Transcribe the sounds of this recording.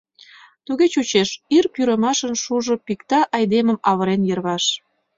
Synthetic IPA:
t̪uɣet͡ɕut͡ɕeʃirpyɾə̆mɑʃənʃuʒŏpikt̪ɑʔɑjd̪emə̆mɑβəɾenjərβɑʃ

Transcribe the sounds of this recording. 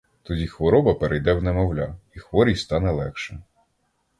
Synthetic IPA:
t̪ɔdʲixʋɔɾɔbɐpeɾejd̪ɛwnɛmɔwlʲaixʋɔɾʲijst̪ɑnɛlˠɛkʃɛ

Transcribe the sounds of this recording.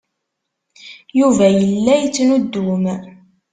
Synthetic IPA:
juvæjəlːæjət͡sːnud̪ːum

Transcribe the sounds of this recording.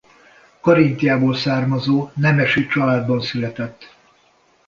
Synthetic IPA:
kɔɾint̪ijaːboːlsaːrmɒzoːnɛmɛʃit͡ʃɒlaːd̪bɒnsylɛt̪ɛt̪ː

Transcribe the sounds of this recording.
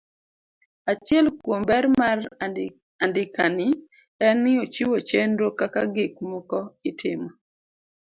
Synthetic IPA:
at͡ʃjɛlkwombɛɾmar | andɪkanɪ | ɛnɪot͡ʃiwot͡ʃenɾokakaɡɪk̚mɔkɔɪtʰɪmɔ

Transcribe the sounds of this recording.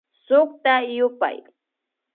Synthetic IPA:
sʊk̚t̪ajʊpa̰j

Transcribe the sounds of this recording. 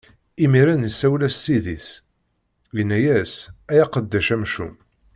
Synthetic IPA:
imiɾænəsːæwlæsːiðiθ | jinːæjæsæjæqəd̪ːæʃæmʃṵm

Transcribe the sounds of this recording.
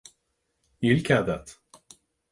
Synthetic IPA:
ilʲkʲad̪at̪

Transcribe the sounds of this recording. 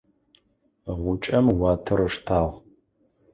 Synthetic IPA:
ʁʷʊt͡ʃʼɐmwɑːtʰɨɾɨʂtʰaːʁ

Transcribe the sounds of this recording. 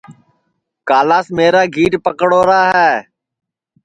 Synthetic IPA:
kaːlaːsmeːɾaːɡʱiːʈpəkɽoːɾaːɦɛː

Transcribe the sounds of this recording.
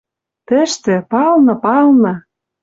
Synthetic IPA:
t̪ə̆ʃt̪ĕpɑlnɤ̆pɑlnɤ̆

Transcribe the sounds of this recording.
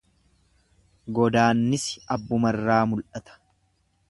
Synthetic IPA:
ɡɔd̪aːnːɪsɐbːʊmɐrːaːmʊlʔɐt̪ɐ̥

